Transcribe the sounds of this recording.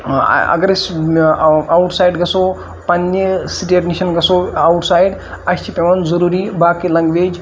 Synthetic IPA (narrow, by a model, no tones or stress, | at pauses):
ɐ̰ɡɐɾsʲ | awʈsaːjɖɡɐsoː | pɐnːesiʈeɾniʃɐnɡɐsoɐwʈsaːjɖ | ɐsʲt͡ʃʰipeʋɐnzɐɾuːɾibaːkilɐ̃ŋɡʋeːd͡ʒ